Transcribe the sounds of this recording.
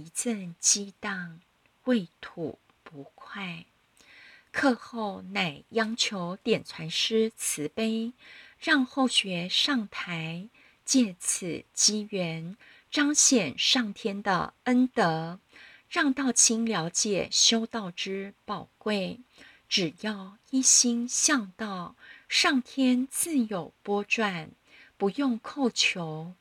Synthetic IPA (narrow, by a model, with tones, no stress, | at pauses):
i˧˥t͡sə˥˧nt͡ɕi˥t̪ɑ˥˧ŋ | we˥˩ɪt̪ʰṵ˨˩ | pu˧˥kʰwa˥˩ɪ | kʰɤ˥˧xo˥˧ʊna˨˩ɪjɑ˥ŋt͡ɕʰjo˧˥ʊt̪jɛ˨˩nt͡sʰwa˧˥nʂɻ̩˥t͡s̩ʰ˧˥˦pe˥ɪɻɑ˥˧ŋxo˥˩ʊɕɥɛ˧˥ʂɑ˥˩ŋt̪ʰa˧˥ɪ | t͡ɕjɛ˥˩t͡s̩ʰ˨˩t͡ɕi˥ɥɛ˧˥n | ʈ͡ʂɑ˥ŋɕjɛ˨˩nʂɑ˥˩ŋt̪ʰjɛ˥nd̪ə̰˨ə˥nt̪ɤ˧˥˦ | ɻɑ˥˧ŋt̪ɑ˥˩ʊt͡ɕʰi˥ŋljɑ˧˥ʊt͡ɕjɛ̰˨˩ɕjo˥ʊt̪ɑ˥˩ʊʈ͡ʂɻ̩˥pɑ˨˩ʊkwe˥˩ɪ | ʈ͡ʂɻ̩˨˩jɑ˥˧ʊi˥ɕi˥ŋɕjɑ˥˧ŋt̪ɑ˥˩ʊʂɑ˥˩ŋt̪ʰjɛ˥nt͡sɹ̩˥˩jo˨˩ʊpwɔ˥ʈ͡ʂwa˥˩n | pu˧˥jʊ˥˧ŋkʰo˥˩ʊt͡ɕʰjo˧˥ʊ